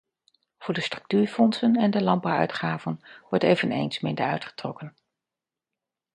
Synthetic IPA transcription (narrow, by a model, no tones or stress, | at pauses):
v̥ʊːɹdəstrɵ̥k̚tyːɹfɔnsənɛndəlɑn̚bɑwœ̰ɥtχaːvənʋɔɹtejvənḛjnsmɪndəɹœɥtχə̥trɔkən